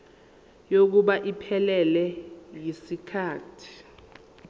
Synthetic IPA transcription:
jok̬uɓaʔipʰɛlɛlɛjisikʰaːtʰi̥

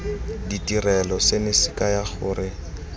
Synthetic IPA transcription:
ditʼirɛlɔsenɪsɪkajaχʊːrɪ

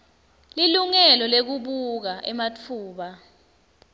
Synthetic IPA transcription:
liluŋɛlɔlek̬uɓuk̬aʔɛmat͡fʰuːɓa

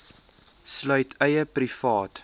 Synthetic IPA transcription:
slœɥtʰɛjəprifɑːt

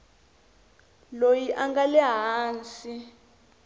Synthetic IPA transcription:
lojiʔaŋɡalɛɦaːnt͡si

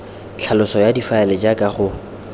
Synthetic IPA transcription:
t͡ɬʰalʊsɔjadifaɛlɛd͡ʒakʼaχʊ

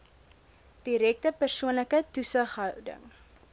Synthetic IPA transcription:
d̥iɾɛk̚təpərsuənləkətusəχɦœwdə̰ŋ

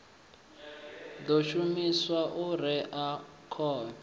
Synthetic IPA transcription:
d̪oʃumiswaʔuɾɛʔa | kʰɔːna

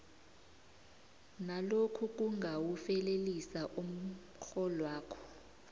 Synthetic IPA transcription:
nalokʰuk̬uŋɡʱawufɛlelisaʔum̩ | ɬɔlwaːkʰɔ̥

